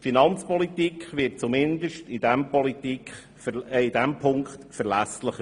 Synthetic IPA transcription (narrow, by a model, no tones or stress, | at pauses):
finɑnt͡spɔlitikχʋɪt̚t͡sumɪnd̪əʃtɪd̥ɛmpɔlitikχ | ɪd̥ɛmpʰʊŋkχtfəɾlæsləχə